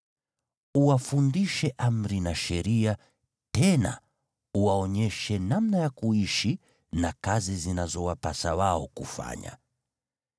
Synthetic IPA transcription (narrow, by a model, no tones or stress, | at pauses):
uwafundiʃɛʔam̩ɾinaʃɛɾia | tɛna̰ | uwaɔɲɛʃɛnamnajakuiʃi | nakazizinazɔwapasawaɔkufa̰ɲa̰